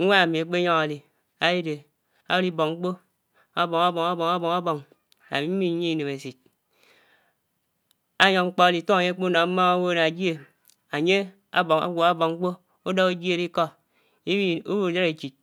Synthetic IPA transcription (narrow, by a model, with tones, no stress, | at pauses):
ŋʷa˦a˨mi˨a˨k͡pe˦ɲo˦ŋa˨li˨ | a˦ji˦de˨ | a̰˦i˦bo˨ŋŋ͡m̩˦k͡po˦ | a˦bo˨ŋa˦bo˨ŋa˦bo˨ŋa˦bo˨ŋa˦bo˨ŋ | a̰˨mi˨˦mi˦ɲi˦i˨ne˨me˨si˨t̚ | a˦ɲo˨ŋŋ͡m̩˦k͡po˦a˦li˨to˦a˨ɲe˦k͡po˦na˨˦ma˦ŋa˦wo˦na˨d͡ʒi˦e˨ | a˨ɲe˦ | a̰˦bo˨ŋa̰˨ɡʷo˨a˦bo˨ŋŋ͡m̩˦k͡po˦ | o˦do˦ke˦d͡ʒi˦e˦ɾi˦kɔ˦ | i˦u˦wu˨da˦ɾe˨t͡ʃi˨t̚